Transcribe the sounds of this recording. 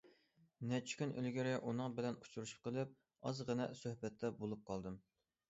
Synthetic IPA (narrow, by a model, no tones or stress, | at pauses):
nɛt͡ʃʰɪ̥kʲynʔy̰lɡʲiɾɛʔunɨŋbɪlɛnut͡ʃʰuɾuʃu̥p̚qʰəlˠɨp̚ | ɑzʁənɛsøhbɛt̪ʰːɛbolˠup̚qʰɑlˠd̪ɨm